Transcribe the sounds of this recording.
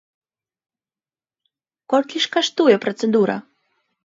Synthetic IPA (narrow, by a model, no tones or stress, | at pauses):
kɔlʲkʲiʃkaʂt̪ujɛpɾɔt̪sɛd̪uɾɐ̰